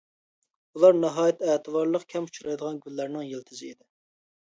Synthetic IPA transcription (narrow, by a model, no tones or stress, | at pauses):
ulˠɑɾnɑɦɑːjɛt̪ɛːt̪ʰɨvɑɾlˠəqkʲʰɛmut͡ʃɾɑjd̪əʁɑnɡʲylːæɾnɪŋjelt̪ʰɪzɪid̪ɪ